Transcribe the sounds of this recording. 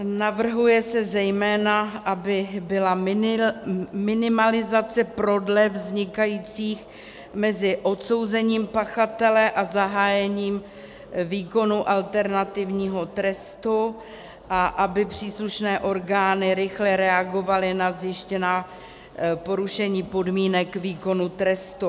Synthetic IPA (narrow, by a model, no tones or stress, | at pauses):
navr̩ɦujɛsɛzɛjmɛːnaʔabɪbɪla | mɪnɪmalɪzat͡sɛpɾo̞dlɛvzɲɪkajiːt͡siːx | mɛzɪʔo̞t̪so̞wzɛɲiːmpaxat̪ɛlɛʔazaɦaːjɛɲiːm | viːko̞nuʔalt̪ɛɾnat̪ɪvɲiːɦo̞t̪ɾɛst̪u | ʔaʔabɪpr̝̥iːsluʃnɛːʔo̞ɾɡaːnɪɾɪxlɛɾɛaɡo̞valɪnazjɪʃcɛnaː | po̞ɾuʃɛɲiːpo̞dmiːnɛkviːko̞nut̪ɾɛst̪u